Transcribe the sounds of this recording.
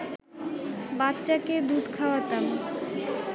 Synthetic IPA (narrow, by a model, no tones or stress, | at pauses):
batːɕaked̪ud̪ʱkʰaoat̪am